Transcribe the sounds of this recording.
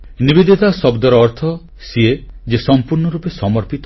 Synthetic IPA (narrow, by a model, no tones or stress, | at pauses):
nibid̪it̪asɔbd̪ɔɾɔːɾt̪ʰɔ | sied͡ʒesɔmpuɾnɔɾupesɔmɔɾpit̪